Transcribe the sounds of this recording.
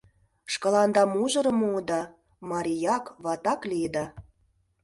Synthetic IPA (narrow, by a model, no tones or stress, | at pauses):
ʃkɑlɑnd̪ɑmuʒɤ̆ɾɤ̆muːd̪ɑ | mɑɾʲijɑkβɑt̪ɑklid̪ɑ